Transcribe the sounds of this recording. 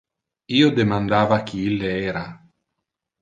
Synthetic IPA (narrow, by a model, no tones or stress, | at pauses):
iːod̪emand̪aːvakʰiilːeɛːɾa